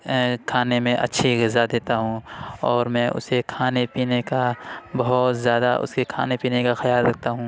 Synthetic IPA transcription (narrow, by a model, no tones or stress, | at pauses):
kʰaːnemẽʔɐ̰tːʃʰiɣɪzad̪eːt̪aɦũɔːɾmɛ̃ːʔʊ̰sekʰaːnepiːnekabɐɦʊt̪zjaːd̪aʔʊ̰skekʰa̰ːnepiːnekaxɐjaːlɾɐk̚ʰt̪aɦũː